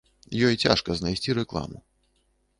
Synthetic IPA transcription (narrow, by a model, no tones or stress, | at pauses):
jɔjt͡sʲa̰ʂkɐznajsʲt͡sʲiɾɛklˠa̰mṵ